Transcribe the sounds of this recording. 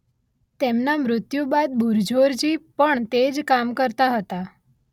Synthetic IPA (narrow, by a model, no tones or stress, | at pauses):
t̪emnamɾʊt̪jubad̪̚buɾd͡ʒʱoɾd͡ʒipəɳt̪ed͡ʒkamkəɾt̪aɦət̪a